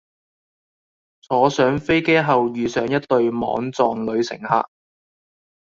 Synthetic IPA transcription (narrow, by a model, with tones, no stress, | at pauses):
t͡sʰɔː˨˥sœː˨˥ŋfe˥jkeː˥ɦɐ˨wjyː˨sœː˨˧˥ŋjɐ˥tt̪ɵ˧ɥmɔ̰ː˨˥ŋt͡sɔː˨ŋlɵ˨˧ɥsɪ̰˨˩ŋha̰ː˧k̚